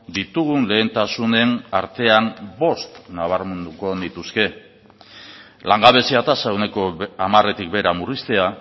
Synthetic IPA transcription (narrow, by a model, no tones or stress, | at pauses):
d̪it̪uɣ̞unle̞ːnt̪asune̞na̰ɾt̪e̞ambo̞st̪naβ̞aɾmend̪uko̞nit̪uske̞ | laŋɡaβe̞siat̪asaewne̞ko̞amare̞t̪ik̚be̞ɾamurist̪e̞a